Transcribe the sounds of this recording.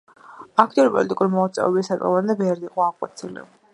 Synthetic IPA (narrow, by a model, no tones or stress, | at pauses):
akʰt̪ʼiuɾipʼɔ̰lit̪ʼikʼuɾimɔt̪sʼɛ̰ɛbisat̪ʼɛ̰vand̪ɛbɛɾd̪iqʼɔaʁʼɔt̪sʰilḭ